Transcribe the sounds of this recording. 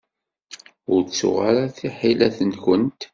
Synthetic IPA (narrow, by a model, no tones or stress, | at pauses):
ʊɾt͡sːʊ̰ʁaɾaθiħilæθənkənt̪